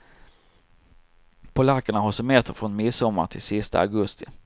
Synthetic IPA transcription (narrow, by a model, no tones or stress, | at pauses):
pʰɔlakːəɳaɦɔsɛmeːt̪ʰəɾfɾɔnmɪsːɔmːa̰ɾʈ̪ʰɪlsɪst̪a̰a̰ɡɵst̪ɪ